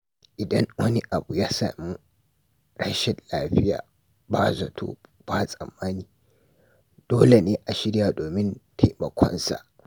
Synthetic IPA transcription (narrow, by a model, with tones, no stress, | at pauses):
ʔɪ˨dɐ˦ŋwɐ˦ni˦ʔa˨bu˨jaː˦sa̰ː˨mu˦ | ɽɐ˦ʃɛ˨nlaː˦ɸɪ˦ja̰ː˨ | ba˦zɐ˨tʰo̰ː˦b̥a˦sʼɐ˨mːaː˦niː˨ | d̥oː˦le˨neː˦ʔa˨ʃɪ˦ɽjaː˨doː˨mɪ˦ntʰa˨jmɐ˨kʷʰɔ̰˦nsa̰˨ʔ